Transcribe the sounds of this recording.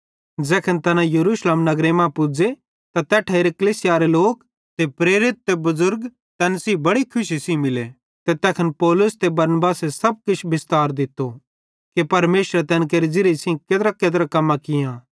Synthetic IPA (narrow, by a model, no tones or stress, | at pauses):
d͡zɛːkʰənt̪ɛːnãjɐɾuːʃleːmnɐɡɾemãpʊd͡ze | t̪at̪ɛːʈʰɐeɾekɐliːsɪjaɾeloːk | t̪epɾeːɾɪt̪̚ːebɐzʊɾɡ | t̪ɛ̃ːnsibɐɽikʰʊʃisĩmɪle | t̪et̪ɛːkʰənpɔːlʊst̪ebɐɾnbaːsesɐb̚kɪt͡ʃʰbɪst̪aːɾd̪ɪt̪ːo | kepɐɾmeːʃɾɛt̪ɛ̃ːnk̬eːɾid͡ʒɪɾesĩkeːd̪ɾakeːd̪ɾakɐmːãkɪjãː